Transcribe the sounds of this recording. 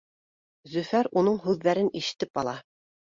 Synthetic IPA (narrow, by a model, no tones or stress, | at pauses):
zɵ̆fæɾunɤɴɦʉðːæɾɘniʃɘ̥̆t̪ɘpɑlˠɑ